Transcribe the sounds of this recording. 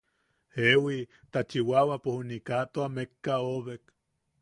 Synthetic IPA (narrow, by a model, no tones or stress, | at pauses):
ewi | t̪at͡ʃiwawapohunikat̪oamekːaoβek